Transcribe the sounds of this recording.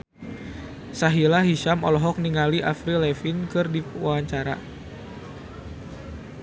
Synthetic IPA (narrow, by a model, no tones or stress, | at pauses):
saɦilaɦiʃamɔlɔɦɔk̚niŋaliʔafɾilɛfinkɨrdiwawaɲt͡ʃaɾa̰